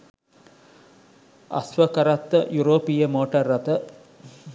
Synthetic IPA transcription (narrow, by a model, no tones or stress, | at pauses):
ɐ̰sʋəkɐɾat̪ːəjuɾoːpijəmoːʈɐrːɐt̪ə